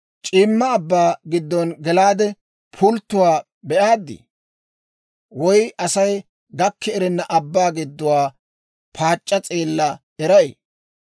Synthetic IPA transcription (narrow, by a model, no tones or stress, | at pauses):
t͡ʃʼiːmːɐːbːaːɡɪd̪ːɔnɡɛlaːd̪ɛ | pʰʊlt̪ːʊwaː | bɛʔaːd̪ːɪ̰ | wɔjʔɐsɐj | ɡɐkʰːɛɛɾɛnːɐʔɐbːaːɡɪd̪ːʊwaː | pʰaːt͡ʃʼːɐt͡sʼeːlːɐ | ɛɾɐʔḛː